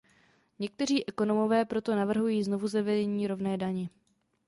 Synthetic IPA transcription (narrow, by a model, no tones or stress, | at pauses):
ɲɛk̚t̪ɛr̝iːʔɛko̞no̞mo̞vɛːpɾo̞t̪o̞navr̩ɦujiːzno̞vuzavɛdɛɲiːɾo̞vnɛːdaɲɛ